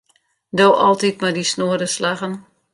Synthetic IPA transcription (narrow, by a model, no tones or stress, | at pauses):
dowʔɔlˠtit̚madisnoːədəslaɣən